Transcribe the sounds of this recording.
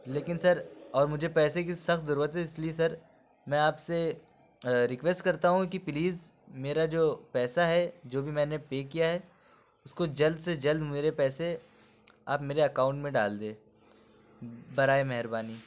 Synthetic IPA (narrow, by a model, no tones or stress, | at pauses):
leːkɪnsɐɾɔːɾmʊd͡ʒʱepɛːsek̬isɐxt̪zɐɾuːɾət̪ɦɛɪslies̬ɐɾ | mɛ̃ːaːpse | ɾɪkʋeːsʈkɐɾt̪aɦũkipliːzmeːɾad͡ʒoːpɛːsaɦɛd͡ʒoːbʱimɛ̃ːnepeːkːijaɦɛ | ʊskod͡ʒɐld̪sed͡ʒɐld̪meːɾepɛːse | aːpmeːɾeɐkaːʊ̃ɳʈmẽɖa̰ːld̪eː | bɐɾaːemɛɦɾbaːniː